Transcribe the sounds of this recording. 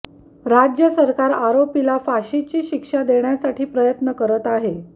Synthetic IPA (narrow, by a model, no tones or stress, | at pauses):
ɾad͡ʑjəsəɾkaɾaɾopilafaɕit͡ɕiːɕikʂad̪eɳjasaʈʰiːpɾəjət̪nəkəɾət̪aɦe